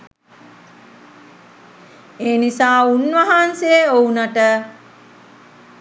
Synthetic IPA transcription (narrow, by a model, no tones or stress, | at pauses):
eːnisaːunʋaɦanseounaʈə